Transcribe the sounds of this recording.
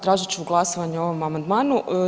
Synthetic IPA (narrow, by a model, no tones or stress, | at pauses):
t̪ɾaːʒit͡ɕeuɡlˠasoʋaɲeo̞ʋo̞mamand̪maːnu